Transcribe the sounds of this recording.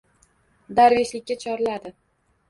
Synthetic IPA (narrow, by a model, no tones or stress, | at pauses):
d̪aɾveʃlɪkʲːat͡ʃʰɒɾɪlad̪ɪ